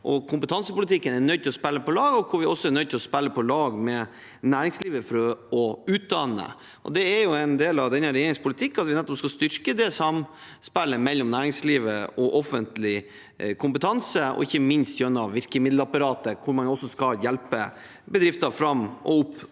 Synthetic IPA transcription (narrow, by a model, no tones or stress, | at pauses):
ʔɔkʰʊmpət̪ʰɑnsəpʊlət̪ʰɪkːənɛnœʏd̚t̪ɪlɔspɛlːəpɔlɑːɡɔkʰʊɾʋɪɔsːɔɛɾnœʏt̪ʰɪlɔspɛlːəpʰɔlɑːɡmɛ | næːɾɪŋsliːʋəfɔɾɔʉːt̪̚d̪ɑnːə̰ | ʔɔ̰d̪ɛɛɾjʊɛɪnd̪eːlɑʋd̪ɛnːəɾɛjeːɾɪŋspʰʊlət̪ʰɪkːɑt̪ʋɪnɛt̪ːɔpskɑst̪ʏɾkəd̪ɛsɑm | spɛlːəmɛlːɔmnæːɾɪŋsliːʋəɔʔɔfənt̪lɪ | kʰʊmpət̪ʰɑnsəɔ̰ɪçːəmɪnst̪jœnːɑʋʋɪɾkəmɪd̪ləɑpɑɾɑːt̪əkʰʊɾmɑnɔsːɔskɑljɛlpə | bəd̪ɾɪft̪ɑfɾɑmːʔɔ̰ʊpː